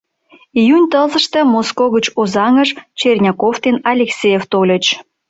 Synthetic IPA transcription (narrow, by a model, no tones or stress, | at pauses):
ijunʲt̪əlzə̆ʃt̪ə̆moskoɣət͡ɕozɑŋəʃt͡ɕerʲnʲɑkoft̪enɑlʲeksʲejeft̪olʲə̆t͡ɕ